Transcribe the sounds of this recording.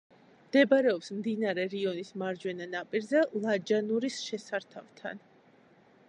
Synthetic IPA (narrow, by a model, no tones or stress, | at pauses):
md̪̥ɛbaɾɛɔpsmd̪inaɾɛɾiɔnismaɾd͡ʒwɛnanapʼiɾzɛlˠad͡ʒanuɾisʃɛsaɾt̪ʰavt̪ʰa̰n